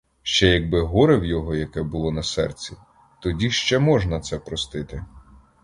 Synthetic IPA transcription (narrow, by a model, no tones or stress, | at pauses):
ʃt͡ʃɛjɐɡ̚bɪɦɔɾɪwjɔɦɔjɐkɛbʊlˠɔnɐsɛ̰rt͡sʲi | t̪ɔdʲiʃt͡ʃɛmɔʒnɐt̪sɛpɾɔst̪ɪt̪ɪ